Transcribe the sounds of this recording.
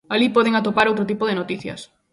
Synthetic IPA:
alipɔð̞eŋat̪opaɾowt̪ɾʊt̪ipoðɪnot̪iθjɐ̰s

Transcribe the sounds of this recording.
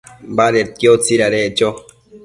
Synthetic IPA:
baɾet̪̚jot͡siɾaɾet͡ʃo

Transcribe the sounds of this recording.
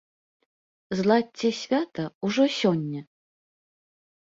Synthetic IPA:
zlˠat͡sʲːɛsʲvʲat̪ɐuʐɔsʲɔnʲːɐ

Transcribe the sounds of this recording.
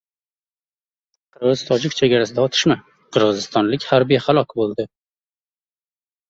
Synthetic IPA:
qʰɨɾʁɨz̥t̪ʰɒd͡ʒɪkʲt͡ʃʰe̞ɡʲaɾasɪd̪aɒt̪ʰɪ̥ʃma | qʰɨɾʁɨzɪst̪ɒnlɪkʲhaɾbijhalˠɒkʲbolˠd̪ɪ

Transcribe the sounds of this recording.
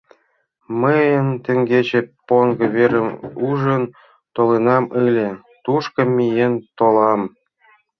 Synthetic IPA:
məjə̆nt̪ʲĕŋɡʲet͡ɕĕpoŋɡɤ̆βeɾə̆muʒə̆n | t̪olenɑmɯlʲĕ | t̪uʃkɤ̆mʲijent̪olˠɑm

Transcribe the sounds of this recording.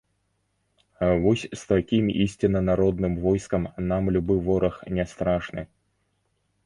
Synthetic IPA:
vɔsʲst̪akʲimḭsʲt͡sʲinɐnaɾɔd̪nɨmvɔjskɐmnamlʲubɨvɔɾɐxnʲɛst̪ɾaʂnɨ̰

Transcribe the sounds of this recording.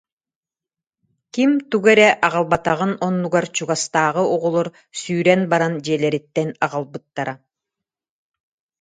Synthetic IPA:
kimt̪uɡɛɾɛʔaʁalˠbat̪aʁɯnɔnːuɡaɾt͡ɕuɡast̪aːʁɯuʁɔlˠɔɾ | syːɾɛnbaɾand͡ʑɛːlɛɾit̪ːɛnaʁɯlˠbɯt̪ːaɾa

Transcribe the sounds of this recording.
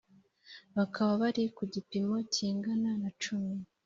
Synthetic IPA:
βakʰaβaβaɾikuɟipimo̞ciːŋɡananat͡ʃumi

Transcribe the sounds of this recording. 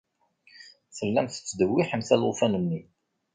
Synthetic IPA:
θəlːæmθə̥t͡sːd̪əwːiħəmθælufænənːi

